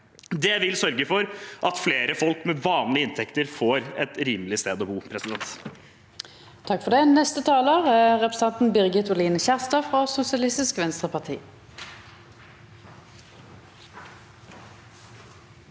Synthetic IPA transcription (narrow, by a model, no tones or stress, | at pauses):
d̪ɛʋɪlsœɾɡəfɔɾʔɑt̪fleːɾəfɔlkmɛʋɑːnlɪəɪnt̪ʰɛkt̪əɾfoːɾɛt̪ɾiːmlɪst̪eːd̪ɔbuːpʰɾɛsɪd̪ɛnt̪ | t̪ʰɑkfɔʁd̪ɛːnɛst̪ət̪ʰɑːloːʁæʁɛpʁɛsɑnt̪n̩bʏʁɡət̪ʊliːnəçæʁst̪ɑfʁoːsʊsɪɑlɪst̪ɪskʋɛnst̪ʁəpʰɑʁt̪ʰḭː